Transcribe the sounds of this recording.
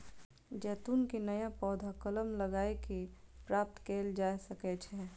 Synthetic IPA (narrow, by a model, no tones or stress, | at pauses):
d͡ʒɛːt̪unkenəjãpɔːd̪ʱakələmləɡaːekipɾaːp̚t̪keːld͡ʒaːesəkɛt͡ʃʰɛː